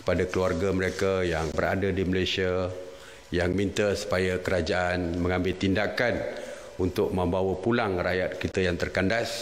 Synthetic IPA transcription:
kə̥padakəluarɡaməɾekajaŋbəra̰dadiməlajsia | jaŋmint̪asu̥pajakəɾad͡ʒaʔanmə̃ŋãmbɪlt̪indakan | unt̪ʊk̚mə̃mbawapulaŋrajat̪̚kit̪ajaŋt̪ərkandas

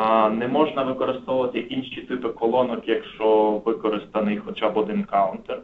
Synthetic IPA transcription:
nɛmɔʒnɐʋɪkɔɾɪst̪ɔʋʊʋɐt̪ɪinʃit̪ɪpɪkɔlˠɔnɔkjɐkʃt͡ʃɔʋɪkɔɾɪst̪ɐnɪjxɔt͡ʃabɔd̪ɪnkɑʊnt̪er

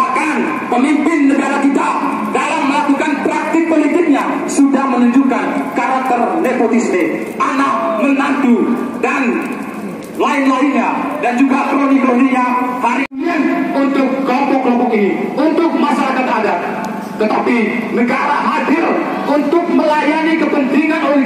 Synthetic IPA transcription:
akan | pəmimpɪnːəɡaɾakit̪a | dalamːəlakukanpɾak̚t̪ɪk̚polit̪ɪk̚ɲa | sudahmənuɲd͡ʒukankaɾak̚t̪ərdepot̪isme | ʔanamənand̪udan | laɪnlaiɲadand͡ʒuɡapəɾonikɾodiɲafaɾiɪnunt̪ʊkːlɔmpɔklɔmpɔkiniunt̪ʊk̚masalakanada | t̪ət̪api | nəɡaɾaɦadɪl | unt̪ʊk̚məlajanikəpənt̪iŋanol

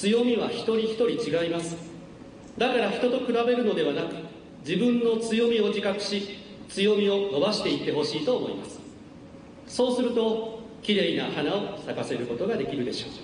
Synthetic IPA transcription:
t͡sɨjo̞mʲiβaçi̥t̪o̞ɾʲiçi̥t̪o̞ɾʲit͡ɕiɡaimasɨ̥ | d̪akaɾaçi̥t̪o̞t̪o̞kɯ̟ɾabe̞ɾɯ̟no̞d̪e̞β̞anakɯ̟̥ | d͡ʑibɯ̟̃nːo̞t͡sɨjo̞mʲio̞d͡ʑikakɯ̟̥ɕi | t͡sɨjo̞mʲio̞no̞baɕi̥t̪e̞it̪ːe̞ɦo̞ɕiːt̪o̞ːmo̞̰ḭma̰sɨ̥ | so̞ːsɨɾɯ̟t̪o̞ | kʲiɾe̞inahanao̞sakase̞ɾɯ̟ko̞t̪o̞ɡad̪e̞kʲiɾɯ̟d̪e̞ɕo̞ː

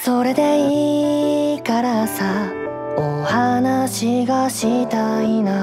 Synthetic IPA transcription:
so̞ɾe̞d̪e̞i | kaɾasa | ohanaɕiɡaɕit̪aina

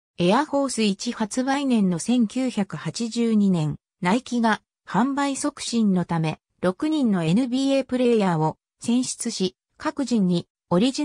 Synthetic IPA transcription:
e̞aho̞ːsɨit͡ɕihat͡sɨbainẽ̞nːo̞sẽ̞ŋkʲɨːçakɯ̟hat͡ɕiʑɨːɲ̟inẽ̞ŋ | naikʲiɡa | hãmbaiso̞kɯ̟̥ɕĩnːo̞t̪ame̞ | ɾo̞kɯ̟ɲ̟ĩnːo̞e̞nɯ̟bʲiːe̞ːpɯ̟ɾe̞jaːo̞ | sẽ̞ɰ̃ɕi̥t͡sɨɕi | kakɯ̟ʑĩɲ̟ːi | o̞ɾʲiʑi

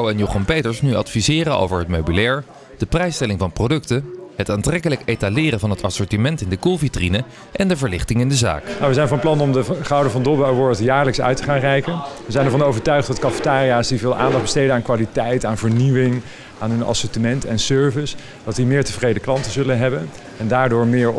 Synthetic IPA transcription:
wɛnjoχɑnpejtəɹsnyɑ̰tfizɪːrəno̰wvəɹɦətmowbilɛːɹ | d̥əprɛjstɛlɪŋvɑnprowdɵktəətaːntrɛkələkejtalɪːɾənvɑnɦətɑsɔɹtimɛntɪndəkulˠvitrinə | ʔɛndəvəɹlɪχtɪŋɪndəza̰ːknawʋəzɛjnvɑnplɑnɔmdəχɑwdəvɑndɔbawʋɔɹtəjaːɹləksœ̰ɥtəχaːnrɛjkənʋəzɛjnɛɹvɑnowvəɹtœɥχtdɑtkɑfətaːrijaːsdivɪːlˠʔa̰ːndɑχ̚bəstejdənaːnkʋaːlitɛjtaːnvəɹniʋɪŋ | aːnɦɵnɑ̰sɔtimɛntɛnsøɹvəs | d̥ɑtdimɪːɹtəvrejdəklɑntəzɵlənɦɛbən | ɛndaːɹdʊːɹmɪːɹ

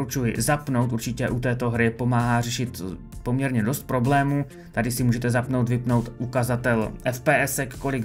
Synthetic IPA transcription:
ut͡ʃujɪ̰zapno̞wt̪uɾt͡ʃɪcɛʔut̪ɛːt̪o̞ɦɾɪpo̞maːɦaːrɛʃɪt̪ | po̞mɲɛɾɲɛdo̞st̪̚pɾo̞blɛːmu | t̪adɪsɪmuːʒɛt̪ɛzapnowt̪vɪpno̞wt̪ʔukazat̪ɛlʔɛfpɛːʔɛsɛkːo̞lɪɡ

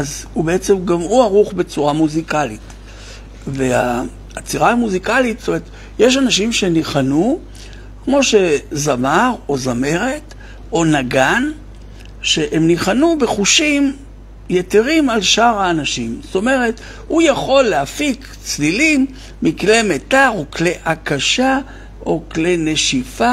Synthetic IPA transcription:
azhubeet͡se̞mɡamuaʁuχbe̞t͡suʁamuzikalit | veaː | t͡siʁamuzikalit̪z̥toeet̪ | jeʃ̬anaʃimʃe̞niχanu | kmo̞ʃe̞zamaʁo̞zame̞ʁet̪ | o̞naɡan | ʃe̞ʔemniχanube̞χuʃim | jeteʁimalʃaʁaːnaʃimzoto̞me̞ʁe̞t | hujaχo̞lːeafik | t͡slilimː | iklemetaʁokleʔakaʃa | o̞klene̞ʃifa

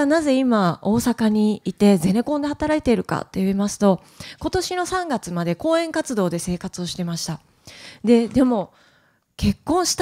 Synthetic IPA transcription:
naze̞imao̞ːsakaɲ̟iit̪e̞ze̞ɾe̞kõ̞nd̪e̞hat̪aɾait̪e̞ɾɯ̟ka̰t̪ːe̞jɯimasɨ̥t̪o̞ | ko̞t̪o̞ɕino̞sãŋɡat͡sɨmad̪e̞ko̞ːẽ̞ŋkat͡sɨd̪o̞ːd̪e̞se̞ːkat͡sɨo̞ɕi̥t̪e̞maɕi̥t̪a | d̪e̞d̪e̞mo̞ | ke̞kːõɰ̃ɕi̥t̪

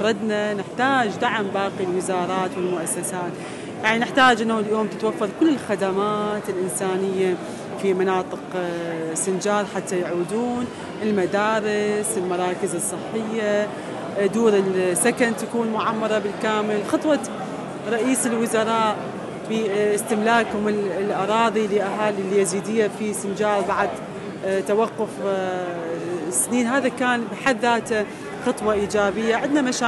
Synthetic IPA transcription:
ɾˤɑd̪nanɪħt̪aːd͡ʒd̪aʕmbaːqilwɪzɑːɾˤɑːt̪wɪlmʊʔasːasaːt̪ | jaʕninɪħt̪aːd͡ʒʔɪnːhuljoːmt̪ɪt̪wafːɑɾˤkʊlːɪlxad̪amaːt̪ɪlʔɪnsaːnɪjːa | fimanɑːt̪ˤɨq | sɪnd͡ʒɑːɾˤħat̪ːajʕuːd̪uːn | ɪlmad̪aːɾɪsɪlmɑɾˤɑːkɪzɨsˤːɨħːɪjːa | d̪uːɾɪlsːakant̪akuːnmʊʕamːɑɾˤɑbɪlkaːmɪlxɑt̪ˤwɑ | ɾˤɑʔiːsɪlwʊzɑɾˤɑːʔ | fiɪst̪ɪmlaːkhʊmɪlʔɑɾˤɑːðˤiliʔaɦaːlilːijaziːd̪ijːafisɪnd͡ʒaːlbaʕad̪ | t̪awaqːʊf | sniːnɦaːðakaːnbɪħaθːaːt̪a | xɨt̪ˤwɑʔiːd͡ʒaːbɪjːaʕɪd̪namaʃaː

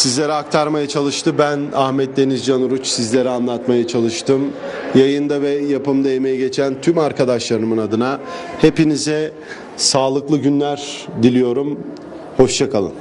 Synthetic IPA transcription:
sizlʲe̞ɾiak̚t̪ʰaɾmajat͡ʃʰalˠɯʃt̪ʰɯbænahmɛt̪̚d̪e̞nizd͡ʒanuɾut͡ʃsizlʲe̞ɾianlˠat̪majat͡ʃʰalˠɯʃt̪ʰɯmjajɯnd̪avɛjapɯmd̪ajemejɛɟe̞t͡ʃʰænt̪ʰymaɾkʰad̪aʃlˠaɾɯmɯnad̪ɯnahe̞pinizɛ | saːlˠɯklˠɯɟynlʲæɾd̪ilʲijo̞ɾum | ho̞ʃt͡ʃʰakʰalˠɯ̰n

